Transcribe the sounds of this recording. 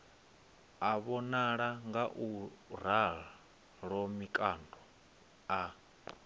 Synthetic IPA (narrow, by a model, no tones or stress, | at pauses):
aβɔnaɺaŋɡaʔuɾaɺa | ɺɔmikʼandɔ | a